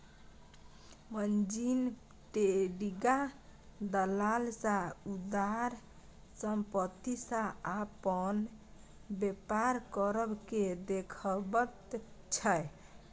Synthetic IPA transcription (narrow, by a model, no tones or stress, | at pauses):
mənd͡ʒin | ʈeɖiɡad̪əlalsaud̪aɾ | səmpət̪ːisaapən | bepaɾkəɾəbked̪ekʰəbət̪t͡ʃʰə